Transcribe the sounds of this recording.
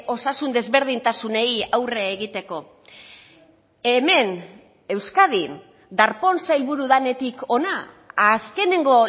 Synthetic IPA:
o̞sasund̪e̞zβe̞ɾð̞int̪asune̞jawre̞ːɣit̪e̞ko̞ | eme̞n | e̞wskað̞in | d̪aɾpo̞nsajlβuɾuðane̞t̪iko̞naː | ske̞ne̞ŋɡo̞

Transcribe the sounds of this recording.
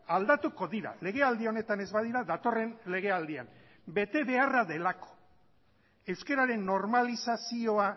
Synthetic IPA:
ald̪at̪uko̞ðiɾa̰le̞ɣ̞e̞ald̪io̞ne̞t̪ane̞zβaðiɾaðat̪o̞re̞nle̞ɣe̞ald̪ia̰n | be̞t̪e̞βe̞araðe̞lako̥ | e̞wske̞ɾaɾe̞nːo̞ɾmalisasio̞a

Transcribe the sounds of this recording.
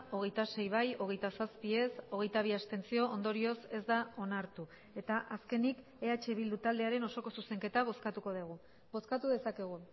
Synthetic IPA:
o̞ɣ̞e̞jt̪ase̞jβ̞ajo̞ɣ̞e̞jt̪asaspie̞so̞ɣe̞jt̪aβ̞iast̪e̞nt͡sio̞ʔond̪o̞ɾio̞se̞zd̪ao̞naɾt̪u | e̞t̪aʔaske̞nik | e̞at͡ʃe̞βild̪ut̪ald̪e̞aɾe̞noso̞ko̞suse̞ŋke̞t̪aβo̞skat̪uko̞ðeɣ̞u | bo̞skat̪uðe̞sake̞ɣ̞u

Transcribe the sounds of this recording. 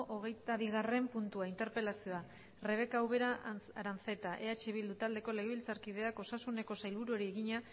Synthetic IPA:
ʔoɣ̞e̞jt̪aβ̞iɣ̞are̞mpunt̪uaint̪e̞ɾpe̞lasio̞a | re̞β̞e̞kaːwβe̞ɾaaɾant͡se̞t̪aʔe̞at͡ʃeβild̪ut̪ald̪e̞ko̞le̞ɣe̞βilt͡saɾkið̞e̞ako̞sasune̞ko̞sajlβuɾuoɾieɣiɲa

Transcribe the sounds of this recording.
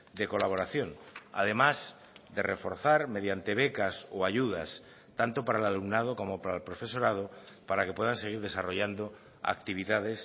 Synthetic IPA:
d̪eko̞laβ̞o̞ɾaθjoŋa̰ðe̞maz | d̪erefo̞ɾθaɾme̞ð̞jant̪eβekasoaʝuðas | t̪ant̪opaɾaelalumnað̞okomopaɾalpɾofeso̞ɾað̞opaɾakepwe̞ð̞anseɣ̞iɾð̞e̞saroʎand̪o | a̰k̚t̪iβ̞iðað̞es

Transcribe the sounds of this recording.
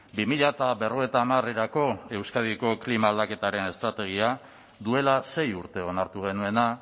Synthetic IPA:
bimiʎat̪abe̞ro̞et̪aːmareɾako̞e̞wskað̞iko̞klimaːld̪ake̞t̪aɾe̞ne̞st̪ɾat̪e̞ɣ̞ia | d̪ue̞lase̞juɾt̪e̞o̞naɾt̪uɣ̞e̞nue̞na

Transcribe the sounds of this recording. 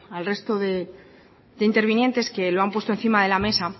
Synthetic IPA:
alre̞st̪o̞ðe̞ | d̪eint̪e̞ɾβinje̞nt̪e̞ske̞loampwet̪oe̞n̟θimaðe̞lame̞sa

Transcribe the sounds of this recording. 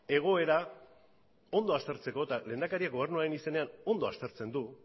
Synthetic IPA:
e̞ɣ̞o̞e̞ɾa | o̞nd̪o̞ast̪e̞ɾt͡se̞ko̞et̪aleːnd̪akaɾiakɡo̞β̞e̞ɾnuaɾe̞nise̞ne̞ano̞nd̪o̞a̰st̪e̞ɾt͡se̞nd̪u

